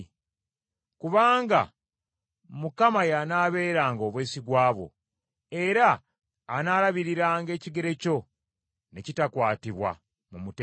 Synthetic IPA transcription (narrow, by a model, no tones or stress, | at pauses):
kuβaːŋɡa̰ | mukamajanaːβe̞ːɾaːŋɡo̞βweːsiɡwaːβo̞̰ | e̞ɾaː | naːɾaβiɾiɾaːŋɡe̞ːciɡe̞ɾe̞co̞ | ne̞citakwaːtiβwa̰ | mumute